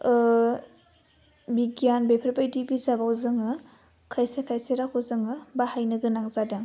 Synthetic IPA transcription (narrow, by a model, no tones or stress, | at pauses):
biɡjanbepʰɐɾbajdibizabawzɯŋɯ | kʰajsekʰajseɾakʰozɯŋɯbahajnɯɡɯnaŋzadɯŋ